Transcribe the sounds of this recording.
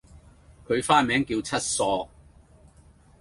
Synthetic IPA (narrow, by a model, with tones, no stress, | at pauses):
kʰɵ˨˧ɥfaː˥mɛː˨˥ŋkiː˧wt͡sʰɐ˥t̚sɔː˧